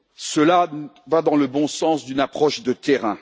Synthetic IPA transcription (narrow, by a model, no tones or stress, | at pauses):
səlavad̪ɑ̃ləbɔ̃sɑ̃sd̪ynapχɔʃd̪ət̪eʁɛ̃